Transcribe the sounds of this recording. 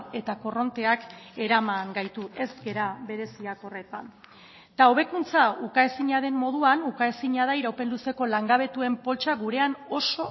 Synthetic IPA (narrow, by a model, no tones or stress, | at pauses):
e̞t̪ako̞ro̞nt̪e̞ake̞ɾamaŋɡajt̪ue̞zɡe̞ɾaβe̞ɾe̞siako̞re̞t̪a̰n | t̪ao̞β̞e̞kunt͡saukaesiɲaðe̞mːo̞ðuanukaesiɲaðaiɾawpe̞nluse̞ko̞laŋɡaβ̞e̞t̪ue̞mpo̞lt͡ʃaɣuɾe̞ano̞so̞